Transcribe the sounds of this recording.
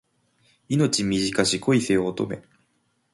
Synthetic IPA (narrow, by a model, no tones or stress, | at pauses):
ino̞t͡ɕimʲiʑikaɕikʰo̞ise̞oːt̪o̞̰me̞